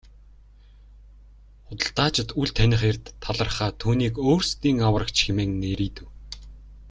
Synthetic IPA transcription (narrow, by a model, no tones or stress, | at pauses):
χʊt̪ə̆ɬt̪aːt͡ɕɪ̆t̪uɮt̪ʰænʲɪ̆χerʲt̪ʰːaɮə̆rχaːt̪ʰuːniːkoːrst̪iːŋawə̆rə̆kt͡ɕxemeːŋneɾiːt̪ɘ̆w